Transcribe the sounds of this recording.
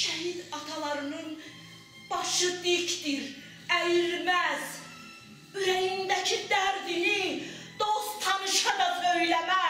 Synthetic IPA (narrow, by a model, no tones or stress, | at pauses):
ʃæɦid̪ɑt̪ʰɑlˠɑɾɯnɯn | b̥ɑʃɯd̪icd̪iɾ | æjɾmæz | yɾæjind̪æcʰid̪æɾd̪inid̪̥ost̪ʰɑnɯʃɑɾɑøjlæmæ